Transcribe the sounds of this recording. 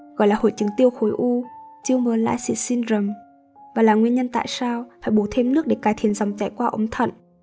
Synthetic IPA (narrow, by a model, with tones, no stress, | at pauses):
ɣɔ̰˧˨jlaː˨˩ho̰˧˨jt͡ɕɨ˨˦ŋt̪i˧əwxo˨˦jʔu˧t͡ɕi˧əwməː˨˦la̰ː˧˥jsḭ˧˥si˧nzə˨˩m | vaː˨˩laː˨˩ŋwi˧ənɲə˧nt̪a̰ː˧˨jsaː˧wfaː˧˩jɓo˨˧˩t̪ʰe˧mnɨ˦˥ək̚ɗe˧˩kaː˨˦jt̪ʰi˧˩ənza˨˩wŋ͡mt͡ɕa̰˧˨jkwaː˧ʔə˨˦ŋ͡mt̪ʰə̰˧˨nʔ